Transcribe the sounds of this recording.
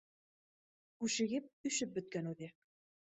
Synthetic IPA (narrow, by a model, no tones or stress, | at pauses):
kʉʃɘ̆ɡɘp̚ɵ̆ʃɘp̚bɵ̆t̪̚kænʉðɘ